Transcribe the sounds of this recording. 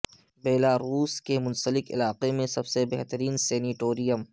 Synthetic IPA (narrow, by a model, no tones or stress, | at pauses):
beːlaːɾuːskemʊ̃nsəlɪkɪ̰laːqemẽsɐbsebeːɦt̪əɾiːnsɛːniʈoːɾijəm